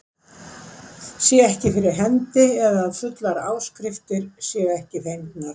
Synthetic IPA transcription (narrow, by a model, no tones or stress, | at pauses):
sjɛɣɛhcɪfɪɾɪɾ̥ɦɛnt̪ɪɛðaðfʏt̪laɾaːwskɾɪft̪ɪɾsjɛɛhcɪθejnt̪naɾ̥